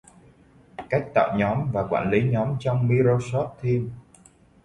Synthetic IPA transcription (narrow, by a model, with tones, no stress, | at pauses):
ka˦˥jk̟̚t̪a̰ː˧˨wɲɔ˨˦mvaː˨˩kwa̰ː˧˩˨nli˨˦ɲɔ˨˦mt͡ɕɔ˧wŋ͡mmi˧ɾo˧sɔ˦˥p̚t̪ʰi˧əm